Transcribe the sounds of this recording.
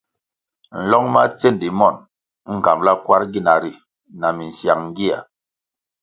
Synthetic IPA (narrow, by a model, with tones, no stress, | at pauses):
n̩˨lɔ˦ŋma˦t͡se˦˨ndi˨mɔ˦˨n | ŋ̩˦˨ɡa˨mla˦kwa˦ɾɡi˦˨na˨ɾi˨ | na˨mi˨n̩˨sja˨ŋŋ˦ɡi˦a̰˨